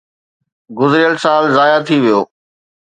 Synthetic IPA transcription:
ɡʊzɾɪjəlsaːlzaːjat̪ʰiʋijoː

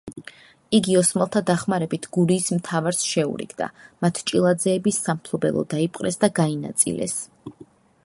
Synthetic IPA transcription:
iɡiɔsmɛlˠt̪ʰad̪aχmaɾɛbit̪ʰɡuɾiːsmt̪ʰavaɾsʃɛṵɾḭɡd̪a̰mat̪ʰt͡ʃʼilˠad̪zɛːbisːampʰlˠɔbɛ̰lˠɔ̰d̪aipʼqʼɾɛsd̪aɡaina̰t̪sʼḭlʔɛ̰s

